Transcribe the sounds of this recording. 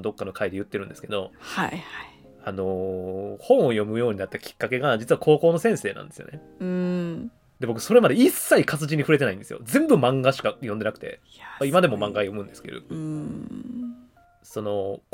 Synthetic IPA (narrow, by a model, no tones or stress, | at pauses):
d̪o̞kːano̞kʰaid̪e̞jɯ̟t̪ːe̞ɾɯ̟nd̪e̞sɨ̥ke̞d̪o̞ha | ano̞hõ̞ɰ̃o̞jo̞mɯ̟jo̞ːɲ̟inat̪ːakʲi̥kːake̞ɡad͡ʑit͡sɨβakʰo̞ːko̞ːno̞sẽɰ̃se̞ːnã̰nd̪e̞sɨjone | ɯ | d̪e̞bo̞kɯ̟̥so̞ɾe̞mad̪eisːaikat͡sɨʑĩɲ̟ːiɸɯ̟ɾe̞t̪e̞naĩd̪e̞sɨjo̰zẽ̞mbɯ̟mãŋɡaɕi̥kajond̪e̞nakɯ̟̥t̪e̞̰ | aimad̪e̞mo̞mãŋɡajo̞mɯ̟̃nd̪esɨ̥ked̪o̰ | so̞no̞